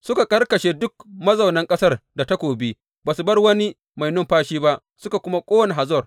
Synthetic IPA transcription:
sʊ˦ka˨kʼɐ˦rkɐ˨ʃeː˨dʊ˦k̚mɐ˦zɐ˨wnɐ˦ŋkʼɐ˦sɐ˦rda˨ta˦kʷoː˨bi˦ | baː˨su˨bɐ˦rwɐ˦ni˦ | ma˨jnʊ˦mɸaː˦ʃiː˦ba˦ʔ | sʊ˦ka˨kʷʊ˦ma˦kʷʼoː˦wɐ˦ne˨ɦa˨zɔ˦˨r

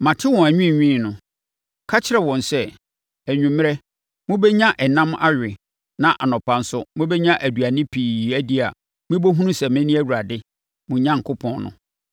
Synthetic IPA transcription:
mã˨tʰɪ˦wɔ̃˨æ˨ɲᶣĩ˦˨ɲᶣĩː˦˨nʊ̃˨ | kʰa˦t͡ɕʰɪ˦ɾɛ˨wɔ̃˨nsɛ˦ | æ˨ɲᶣũ˨mɪ̃˦ɾɛ˦ | mʊ̃˦bɛ˦ɲã˦ʔɛ˨nã˦ma̰˦ɥᶣɪ˨ | nã˨ʔa˨nɔ̃˨pʰã˨n̩˦sʊ˦mʊ̃˦bɛ˦ɲã˦ʔæ˨du˨a˨nɪ̃˦pʰiː˨æ˦di˦a˨ | mɪ̃˦bo˦ɦũ˦nũ˦sɛ˨mɪ̃˦nĩ˦æ˦wu˨ɾa˨dɪ˦ | mʊ̃˨ɲã˦ŋ̩˨kʰʊ˦pʰɔ̃˦nnʊ̰̃˨

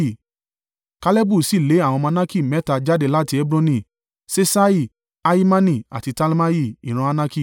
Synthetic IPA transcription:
ka˧lɛ˦bu˦˨si˦˨le˨˦a˦˨w̃ɔ̃˧mã˧nã˦ki˦˨mɛ˦ta˧d͡ʒa˦de˦˨la˦˨ti˧e˦bɾɔ̃˦nĩ˨ | se˦sa˦i˦˨ | a˦i˦mã˦nĩ˧˨a̰˨ti˧ta˦lma˦ji˦˨i˨ɾ̃ã˧a˧nã˦ki˦˨

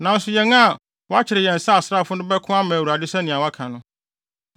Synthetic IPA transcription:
nã˨n̩˦sʊ˦jɛ˨ŋa˦˨ | wɔ˦a˦t͡ɕʰɪ˨ɾɪ˨jɛ̃˨n̩˨sa˦a˨sɾa˦˨fʊ˦nʊ̃˦bɛ˦kʰʊ̃˦a˦mã˨wu˨ɾa˨dɪ˦sɛ˦nɪ̃˨a˨wa˦kʰã˨nʊ̃˦

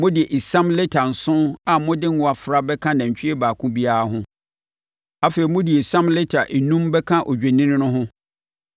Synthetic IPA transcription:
mʊ̃˦dɪ˨e˨ʔe˨sã˦mle˦tʰa˨n̩˨sʊ̃˦a˨mʊ̃˦dɪ̃˦ŋ˦ʊ˨a˨fɾa˦bɛ˦kʰã˦nã˨ɲ̩˨t͡ɕᶣɪ˦ɛ˦baː˨kʰʊ̃˦bi˦a˦a˦ɦʊ̃˦ | a˦feː˨ɾi˨mʊ̃˦di˨e˨sã˦mle˦tʰa˨ʔe˨nũ˦mbɛ˦kʰã˦ʔo˨d͡ʑᶣe˨nɪ̃˦nɪ̃˦nʊ̃˦ɦʊ̃˦

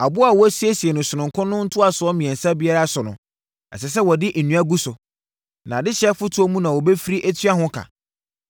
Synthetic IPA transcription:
a˨bʊ˦a˨wɔ˨˦æ˦si˦e˦si˨e˨nʊ̃˨sɪ˨nʊ̃˨ŋkʰʊ̃˦nʊ̃˦n̩˦tʰʊ˦a˨sʊ˨ɔ˦mĩ˨ɛ̃˨nsa˦bi˦a˦ɾa˦sʊ˨nʊ̃˨ | ɛ˨sɛ˨s̬ɛ˦wɔ˨dɪ˦ʔ̩˨nũ˦a˦ɡu˦sʊ˨ | nã˨dɪ˦ɕɛ˦fʊ˦tʰʊ˨˦ɔ˦mũ˦nã˨wɔ˨bɛ˦fi˦ɾi˦ʔæ˦tʰɥa˦ɦʊ̃˦kʰã̰˨

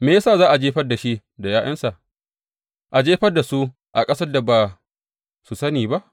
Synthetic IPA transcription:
meː˨jɐ˦saː˦˨zaː˦ʔa˨d͡ʒeː˦ɸɐ˦rda˨ʃi˦ʔ | da˨jaː˦jʔɐ˦nsa˨ | ʔa˨d͡ʒeː˦ɸɐ˦rda˨su˦ | ʔa˨kʼɐ˦sɐ˦rda˨baː˨ | su˨sɐ˦niː˨ba˦ʔ

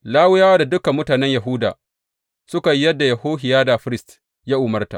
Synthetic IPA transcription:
laː˦wʊ˦jaː˦wa˦da˨dʊ˦ka˨mːʊ˦taː˨nɛ˦ɲja˨ɦʊ˦da̰ː˨ | sʊ˦ka˨jːjɐ˦dːa˨jɐ˨hoː˦ɦɪ˨jaː˦da˨ɸɪ˦ɾɪ˦˨st | jaː˦ʔʊ˨mɐ˦rta̰˨ʔ

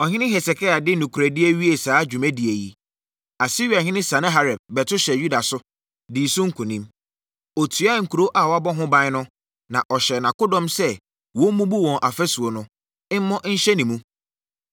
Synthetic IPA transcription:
ɔ˨ɦɪ̃˦nɪ̃˦ɦɛ˨sɛ˨kʰa˦a˨dɪ˦nũ˨kʰu˨ɾæ˨dɪ˦e˦ɥi˦e˨saː˨˦d͡ʑᶣu˨mæ̃˦di˨e˨ji˦ | a˨si˦ɾi˨a˨ɦɪ̃˦nɪ̃˦sa˨nã˦ɦa˨ɾɛ˨b̚bɛ˨tʊ˦ɕɛ˨ju˦da˨sʊ˦ | di˨sʊ̃˦ŋ̩˦kʰũ˨nĩ˦m | ɔ˨tʰu˨a˦ŋ̩˨kʰu˨ɾo˦ʔa˨wɔ˦a˦bɔ˦ɦʊ̃˦bã˦ɪ˦nʊ̃˦ | nã˨ʔɔ˨ɕɛ˨nã˨kʊ˦dɔ̃˦msɛ˦ | wɔ̃˦mũ˦bu˦wɔ̃˨nʔa˨fɛ˦su˨o˨nʊ̃˦ | ɪ˦m̩˦mɔ̃˦ʔɲ̩˦ɕɛ˦nĩ˨mũ˦

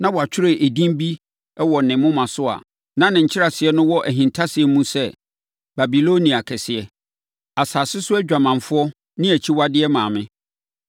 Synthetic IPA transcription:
nã˦wɔ˨a˨t͡ɕᶣʰɪ˦ɾe˨ʔe˨dĩ˦m˦bi˦ | ɛ˦wɔ˨nɪ̃˨mʊ̃˦mã˨sʊ˦a̰˨ | nã˦nɪ̃˨ɲ̩˨t͡ɕʰɪ˦ɾa˨sɪ˨ɛ˦nʊ̃˦wɔ˦ʔæ˨ɦĩ˨ntʰa˦sɪ˨ɛ˦mũ˦sɛ˦ | ba˨bi˨lo˦nĩ˨a˨kʰɛ˨sɪ˨ɛ˨ | a˨saː˨sɪ˦sʊ˦æ˦d͡ʑᶣa˨mã˨ɱ˨fʊ˦ɔ˦ | nɪ̃˦æ˨t͡ɕʰi˦wa˦dɪ˦ɛ˦mãː˨mɪ̃˦

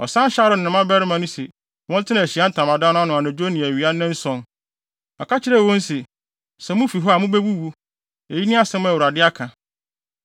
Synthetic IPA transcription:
ɔ˨sã˦ɕa˦ɾʊ˨n˨ɪ̃˨mã˦bɛ˦ɾɪ˦mã˨nʊ̃˦se˨ | wɔ̃˦n˦tʰɪ˦nã˨ɕi˨˦a˦n̩˦tʰã˨mã˨dã˦nʊ̃˦a˦nʊ̃˨a˨nã˨d͡ʑo˦nĩ˨æ˨ɥi˨˦a˦nɪ̃˦n̩˦sɔ̃˦n | ɔ˨ka˦t͡ɕʰɪ˦ɾɛ˦˨wõ˦n̩˦se˨ | sɛ˨mʊ̃˦fi˨ɦɔ˦a˨mʊ̃˦be˦bu˦bu˦ | e˨ji˦nĩ˦a˦sɛ̃˦m̃˦æ˨wu˨ɾa˨dɪ˦a˦kʰã˨

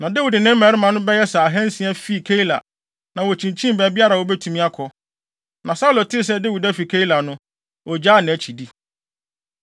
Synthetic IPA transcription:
nã˨de˦wi˨dɪ˨nɪ̃˦m˦mæ˨ɾɪ˦mã˨nʊ̃˦bɛ˦jɛ˦sa˨a˨ɦɛ̃˦n˦sĩ˦æ˦fi˦˨kʰe˦i˦la̰˨ | nã˨wɔ˨t͡ɕʰĩ˨ɲt͡ɕʰĩ˦m˨bɛ˨bi˦a˦ɾa˨wɔ˦bɛ˦tʰu˨mĩ˦a˦kʰɔ˨ | nã˨sa˦wlo˨tʰɪ˦s̬ɛ˦de˦wi˨dæ˦fi˨kʰe˦i˦la˨nʊ̃˦ | ɔ˨d͡ʑa˦˨nɪ̃˨æ˨t͡ɕʰi˨di˦

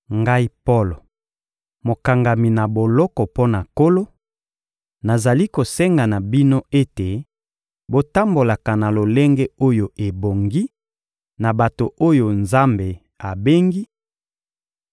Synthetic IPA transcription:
ŋɡa˦i˦po˦lo˨ | mo˨ka˨ŋɡa˨mi˨na˨bo˨lɔ˦kɔ˨po˦na˨ko˦lo˦ | na˨za˨li˦ko˨sɛ˦ŋɡa˨na˨bi˦no˦e˦te˨ | bo˨ta˦mbo˨la˨ka˨na˨lo˨le˦ŋɡɛ˦o˦jo˨e˨bo˨ŋɡi˦ | na˨ba˨to˨ʔo˦jo˨nza˦mbe˨ | a˨be˦ŋɡi˦

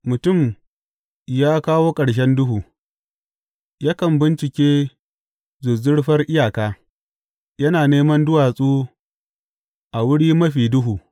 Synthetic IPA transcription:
mʊ˨tʊ˦˨m | jaː˦kaː˦woː˦kʼɐ˨ɽʃ̬ɛ˦ndʊ˦ɦuː˨ | ja˦kɐ˨mbɪ˦nt͡ʃɪ˨kʲeː˦ | zʊ˨zʊ˦ɽɸɐ˦rʔɪ˦jaː˨kaː˦ | jɐ˦naː˨neː˦mɐ˦ndʊ˦waː˨sʼuː˦ | ʔa˨wʊ˦ɽiː˦mɐ˦ɸiː˨dʊ˦ɦuː˨

